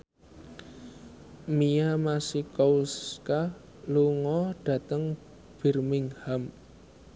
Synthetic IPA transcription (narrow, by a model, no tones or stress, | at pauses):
miamasikɔuska | luŋɔɖ̥a̤t̪əŋ | b̥i̤rmɪŋham